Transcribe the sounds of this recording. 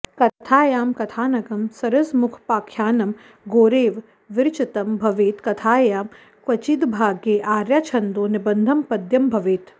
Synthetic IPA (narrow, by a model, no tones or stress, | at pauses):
kɐt̪ʰaːjaːmkɐt̪ʰaːnɐɡɐmsɐɾɐsmʊkʰpaːkʰjaːnɐm | ɡoːɾeːʋ | ʋɪɾt͡ʃɐt̪ɐmbʱɐʋeːt̪kɐt̪ʰaːjaːm | kʋɐt͡ʃid̪bʱaːɡjeːʔaːɾjaːt͡ʃʰɐnd̪oːnibɐnd̪ʱɐmpɐd̪jɐmbʱɐʋeːt̪